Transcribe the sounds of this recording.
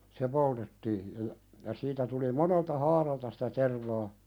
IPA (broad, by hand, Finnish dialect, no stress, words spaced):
se poltetːiː jɑ jɑ jɑ siːtæ tuli moneltɑ hɑːrɑltɑ sitæ terʋɑː